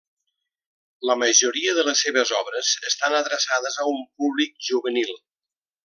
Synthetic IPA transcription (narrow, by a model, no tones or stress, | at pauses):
ləməʒuɾiəðələsːeβəzɔβɾəz̥əst̪anəðɾəsaðəzəumpuβlik̚ʒuβənilˠ